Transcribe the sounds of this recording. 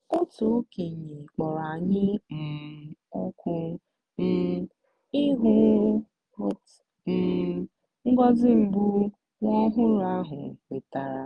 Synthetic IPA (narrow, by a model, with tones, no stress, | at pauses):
o˦to˨o˦ke˨ɲe˨k͡pɔ˨ɾa˨ɲɪ˦m̩˨o˦kʷu˦ | m̩˨ | i˦ɦʊ˦ | ʊ˦t | m̩˨ | ŋ̩˦ɡɔ˦zɪ˦m̩˨bu˦ | ŋʷɔ˦ɦʊ˦ɾa˦ɦʊ˨we˨ta˨ɾa˨